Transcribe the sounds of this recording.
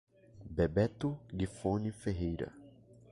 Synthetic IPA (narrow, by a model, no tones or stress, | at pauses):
bebɛt̪ʊɡifonifeɦejɾɐ̰